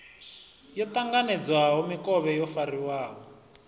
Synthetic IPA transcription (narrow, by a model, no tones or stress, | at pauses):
jɔtaŋɡanɛd͡zwaɦɔmikʼɔβɛjɔfariwaːɦɔ